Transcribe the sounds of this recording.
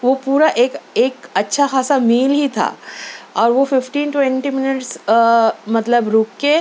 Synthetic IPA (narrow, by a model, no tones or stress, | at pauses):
ʋopuːɾaʔeːkeːkɐtːʃʰaxaːsamiːlɦit̪ʰa̰ːɔːɾʋofɪfʈiːnʈwɛ̃ɳʈimɪnɪʈs | mɐt̪ləbɾuːkːe